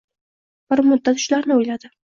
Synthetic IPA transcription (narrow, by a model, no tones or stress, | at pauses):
b̥ɪɾmʊd̪ːat̪ʊ̥ʃlaɾnɪojlad̪ɪ